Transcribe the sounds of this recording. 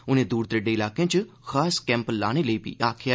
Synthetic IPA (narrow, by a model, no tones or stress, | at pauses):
ʊnẽːd̪uːɾt̪ɾəɖeːɪlaːkeãːt͡ʃə | xaːskɛ̃ːmpəlːa̰ːɽ̃eːləiːpḭʔaːkʰɪjaː